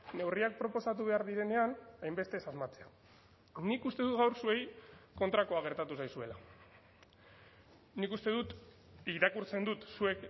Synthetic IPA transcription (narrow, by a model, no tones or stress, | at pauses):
ne̞wriak̚pɾo̞po̞sat̪̬uβ̞e̞aɾðiɾe̞ne̞anajmbe̞st̪e̞sazmat͡se̞a | nikust̪e̞ðut̪ɣawɾsue̞jko̞nt̪ɾako̞aɣ̞e̞ɾt̪at̪usajsue̞la | nikust̪e̞ðut̪ | iɾakuɾt͡se̞nd̪ut̪sue̞k